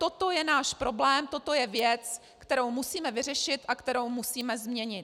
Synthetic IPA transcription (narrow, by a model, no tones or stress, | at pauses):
t̪o̞t̪o̞jɛnaːʃpɾo̞blɛːmt̪o̞t̪o̞jɛvjɛt͡s | kt̪ɛɾo̞wmusiːmɛvɪr̝ɛʃɪt̪ʔakt̪ɛɾowmusiːmɛzmɲɛɲɪt̪